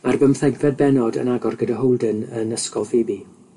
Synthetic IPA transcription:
arbəmθɛɡvɛd̚bɛnɔdə̰naɡɔrɡədaɦowlˠdənənəskɔlˠfeːbi

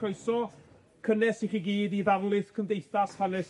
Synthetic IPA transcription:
oɨsɔ | kʰənɛsiχiɡiːdivarlˠɨθkʰəmdejθashanɛs

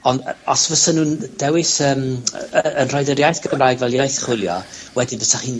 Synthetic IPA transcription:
ɔndɔsvəsanuːnd̥ɛwɪsəːməənr̥ɔjdəɾjajθɡ̥əmraːjɡvɛlˠjajθχʊlˠjɔ̰wɛdivəsaχiːn

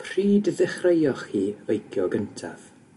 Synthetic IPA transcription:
pʰriːdðɪχrejɔχhiːəjkʰjɔɡəntʰa̰ð

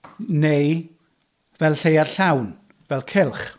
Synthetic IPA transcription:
nej | vɛlˠɬejarɬawn | vɛlˠkʰɪlˠχ

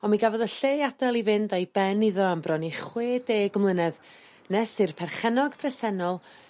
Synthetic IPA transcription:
ɔmiɡavɔðəɬeadalˠivɪndajbɛniðɔambrɔniχweːdeːɡʊmlˠənɛð | nɛsɨrpʰɛrχɛnɔɡ̥pʰrɛsɛnɔlˠ

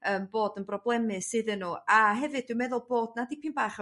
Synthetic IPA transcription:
əːmboːdənbrɔblˠɛmɨsɨðənuːaɦɛvɨdd̥wmɛðʊlˠb̥oːdnadɪpʰinbaːχɔ

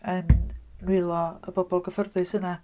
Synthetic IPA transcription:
ənnwɪlˠɔəbɔbɔlˠɡəfərðɨsəna

